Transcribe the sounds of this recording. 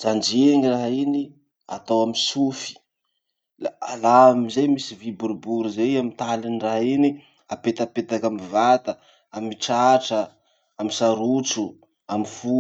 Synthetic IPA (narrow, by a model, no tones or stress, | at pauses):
d͡zand͡ʒeŋiraɦaini | a̰t̪awamisufi̥ | laalaamizejmisivibuɾubuɾuzejamint̪aliniraɦini | apet̪apet̪akamivat̪ə | amiʈ͡ʂaʈ͡ʂə | amisaɾut͡su | amifu